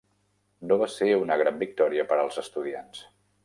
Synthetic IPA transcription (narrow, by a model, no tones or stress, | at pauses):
noβ̞aseunəɣɾambik̚t̪ɔɾiəpəɾəlˠzəst̪uðians